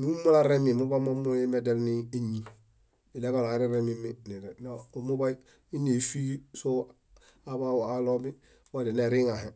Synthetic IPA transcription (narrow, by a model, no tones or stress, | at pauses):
miumolaɾemimubamomuimedelniiɲi | ileɡalaaɾiɾemiminiɾenomubai | inefiso | abawalomi | wadeneɾiŋaɦe